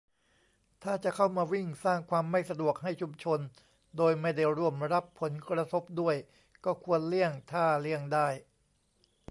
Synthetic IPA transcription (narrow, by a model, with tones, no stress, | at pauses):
t̪ʰaː˥˩t͡ɕa˨˩kʰa˥˩wmaː˧wi˥˩ŋsaː˥˩ŋkʰwaː˧mːa˥˩jsa˧du˨˩ək̚hɦa˥˩jt͡ɕʰu˧mt͡ɕʰo˧n | doː˧jma˥˩jda˥˩jɾu˥˩əmɾa˦˥pʰːo˩˦nkɾa˧t̪ʰo˦˥p̚du˥˩əj | kɔː˥˩kʰu˧ənli˥˩əŋt̪ʰaː˥˩li˥˩əŋdaː˥˩j